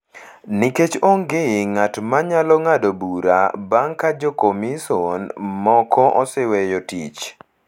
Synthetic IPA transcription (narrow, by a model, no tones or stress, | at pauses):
niket͡ʃoŋɡeŋatmaɲalɔŋadobuɾa̰baŋkad͡ʒɔkomisɔnmɔkɔʔɔsɛwɛjɔtḭt͡ʃ